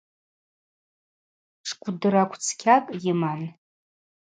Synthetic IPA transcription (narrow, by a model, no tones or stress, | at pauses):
ʂkʷʼʊdɨɾakʷʰʼt͡sʰkʲʰakʼjɪman